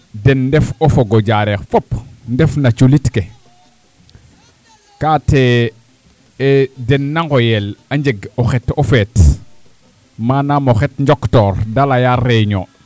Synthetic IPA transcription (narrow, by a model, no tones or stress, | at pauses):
dɛnːdɛfofoɡoɟaɾɛxfopndɛfnat͡ʃulitke | kate | dɛnːaŋɡojelaɲd͡ʒeɡoxɛtofɛt | manamoxɛtɲd͡ʒɔktɔːɾdalajarːeɲo̰